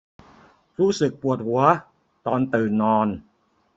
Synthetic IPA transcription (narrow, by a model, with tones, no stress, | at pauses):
ɾuː˦˥sɯ˨˩k̚pu˨˩ət̪̚hu˩˦ɐ | t̪ɔː˧nt̪ɯː˨˩nɔː˧n